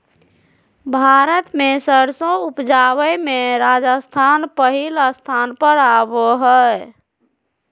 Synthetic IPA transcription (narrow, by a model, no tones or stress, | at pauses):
bʱaɾət̪mesəɾsõupd͡ʒawəjmeɾad͡ʒəst̪ʰanpəɦiləst̪ʰanpəɾaboɦə